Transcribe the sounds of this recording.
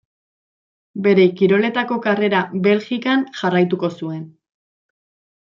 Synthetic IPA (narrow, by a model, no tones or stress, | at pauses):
be̞ɾe̞kiɾo̞le̞t̪ako̞kare̞ɾabe̞lxikanʝarajt̪uko̞sue̞n